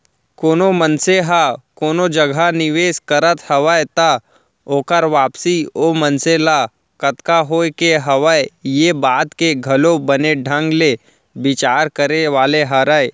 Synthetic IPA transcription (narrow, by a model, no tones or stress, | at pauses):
koːnomənseɦakoːnod͡ʒəɡʱanɪʋeːskɐɾət̪hɐʋəjt̪a | oːkəɾʋaːpsiomənsela | kɐt̪kaɦoːkeɦɐʋəjjebaːt̪keɡʱɐlobɐneɖʱə̃ŋɡle | bɪt͡ʃaːɾkəɾeʋaːleɦaɾəe